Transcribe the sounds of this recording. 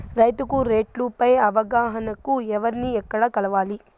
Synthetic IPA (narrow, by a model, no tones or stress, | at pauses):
ɾɐjt̪ukuɾe̞ːʈlupɐjɐʋɐɡaːɦɐnɐkuɛʋɐɾniɛkːɐɽɐkɐlɐʋaːli